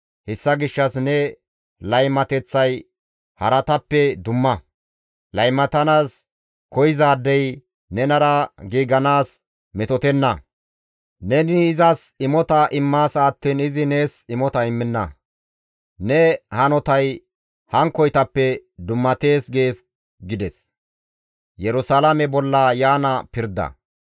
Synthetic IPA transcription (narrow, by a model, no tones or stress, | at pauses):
hɛsːɐɡɪʃːɐsnɛ | lɐjmɐt̪ɛt͡sːɐj | hɐɾɐt̪ɐpːɛd̪ʊmːɐ | lɐjmɐt̪ɐnaːs | kɔjɪzaːd̪ːɛj | nɛnɐɾɐɡiːɡɐnaːs | mɛt̪ɔt̪ɛnːɐ | nɛniːzɐsɪmɔt̪ɐʔɪmːaːsaːt̪ːiːnɪzɪne̞ːsɪmɔt̪ɐɪmːɪnːɐ | nɛhɐnɔt̪ɐj | hɐŋkɔjt̪ɐpːɛd̪ʊmːɐt̪e̞ːsɡe̞ːs | ɡɪd̪ɛs | jɛɾʊsalɐmɛbɔlːɐjaːnɐpɪɾd̪ɐ̰